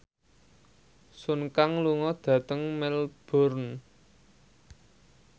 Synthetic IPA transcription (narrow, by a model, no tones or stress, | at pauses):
sunkaŋluŋɔd̪̥ä̤t̪əŋmɛlb̥ɔ̤rn